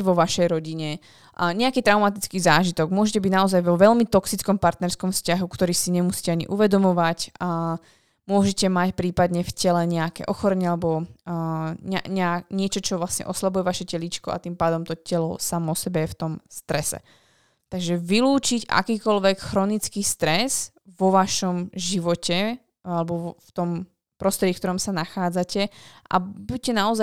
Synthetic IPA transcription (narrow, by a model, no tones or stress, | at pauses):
ʋɔʋaʃɛjɾɔɟiɲɛ | ɲɛakiːt̪ɾaʊmat̪it͡skiːzaːʒit̪ɔɡmʊɔʒɛcɛbiɟnaɔzajʋɔʋɛʎmit̪ɔksit͡skɔmpaɾt̪nɛɾskɔmfscaɦukt̪ɔɾiːsiɲɛmusi̥cɛaɲḭʔuʋɛd̪ɔmɔʋaca | mʊɔʒɛcɛmacpɾiːpad̪ɲɛfcɛlɛɲɛakɛ̰ːʔɔxɔɾɛɲɛalɛbɔ | ɲaɲɛaɲɪɛt͡ʃɔt͡ʃɔʋlasɲɛ̰ʔɔslabujɛʋaʃɛcɛlit͡ʃkɔʔa̰t̪impaːd̪ɔmt̪ɔcɛlɔ̰samɔɔsɛbɛjɛft̪ɔmst̪ɾɛsɛ̰ | t̪aɡʒɛʋiluːt͡ʃica̰kiːkɔlʋɛkxɾɔnit͡skist̪ɾɛz̥ | ʋɔʋaʃɔmʒiʋɔcɛ | alɛbɔft̪ɔm | pɾɔst̪ɾɛɟifkt̪ɔɾɔmsanaxaːd͡zacɛʔa̰buc̚cɛnaɔza